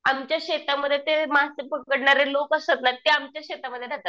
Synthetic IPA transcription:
amt͡ɕjaɕet̪aməd̪ʱːjet̪emaɦasepəkəɽɳaɾelokəsət̪nat̪eamt͡ɕjaɕet̪aməd̪ʱːjeɾat̪a

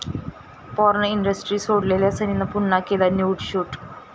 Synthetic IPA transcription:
poːɾɐnɐiɳɖɐsʈrisoːʈlelesɐninːɐpunːaːkːilɐnjuːʈɕuːʈː

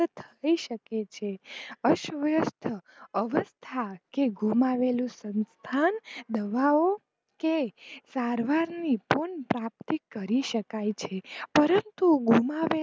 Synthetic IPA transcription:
ət̪ʰəiʃəket͡ʃʰeəʃʋəjəst̪ʰəəʋəst̪ʰakeɡʱumaʋelũsənst̪ʰand̪əʋao | kesaɾʋaɾnipuɳpɾap̚t̪ikːəɾiʃəkajt͡ʃʰepəɾənt̪uɡʱumaʋe

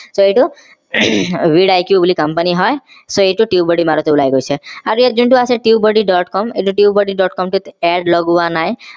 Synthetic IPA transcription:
soeʈu | wiɖajkjubulikɔmpaniɦɔj | soeʈuʈiubɔɽimaɾɔt̪ɔulajɡojt͡ʃʰeaɾued͡ʒuɳʈuasʰeʈiubɔɖiɖɔʈkɔmeʈuʈiubɔɖiɖɔʈkɔmʈut̪ɛɖlɔɡuanaj

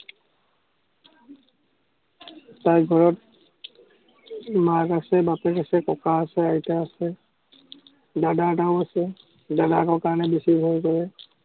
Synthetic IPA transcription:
tajɡʱɔɹɔt̚ | maɡasɛbapɛkasɛkɔkʰaəsɛajtaasɛ | daɖaɖawasɛ | dadakɔkaɹnɛbisibʱojɡɔɛ

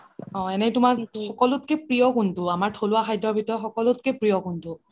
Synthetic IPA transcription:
ɔ̃ɛnɛtʊmaɹxɔkɔlʊtkɛpɹijɔkuntʊamaɹtʰolʊwaxʰajdɔɹbʱitɔxɔkɔlʊtkɛpɹijɔkuntʊ

